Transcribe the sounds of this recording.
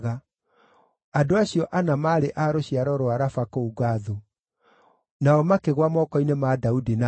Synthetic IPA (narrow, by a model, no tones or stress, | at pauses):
ɣa | adoaɕiɔʔanamaːɾeʔaɾoɕiaɾɔɾoaɾafakouɡaðu | naɔmakeɣwamɔkɔinemadaudina